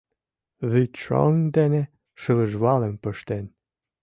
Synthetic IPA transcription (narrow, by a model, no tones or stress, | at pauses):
βyt͡ʃo̰ŋd̪ene | ʃələ̆ʒβɑlempə̆ʃt̪en